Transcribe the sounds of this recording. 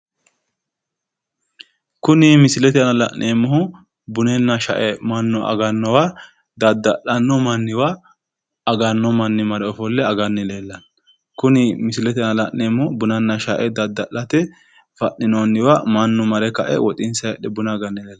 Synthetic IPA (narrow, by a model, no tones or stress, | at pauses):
kʊnɪmɪsɪlɛt̪ɪɐnɐlɐ̰ʔːeːmːʊhʊ | bʊnɛnːɐʃɐ̰ʔɛmɐnːɔʔɐ̰ɡɐnːɔwa | d̪ɐd̪ːɐʔɐnːɔmɐnːɪwaː | ɡɐnːɔmɐnːɪmɐɾɛɔfɔlːɛɐɡɐnːɪleːlːɐn | kʊnɪmɪsɪlɛt̪ɪɐnɐlɐʔːeːmːɔʊbʊnɐnːɐʃɐʔɛd̪ɐd̪ːɐʔːɐt̪ɛ | fɐʔɪnonːɪwamɐnːɔmɐɾɛkɐʔɛ̰wɔt̪ʼɪnsɐjɛɗɛbʊnaɡɐnːɪleːlː